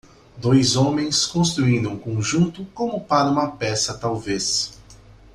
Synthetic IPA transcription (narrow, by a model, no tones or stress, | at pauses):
d̪ojzõmẽj̃skõst̪ɾuĩnd̪ʊũkõʒũnt̪ʊkõmʊpaɾɐũmɐpɛsɐt̪awves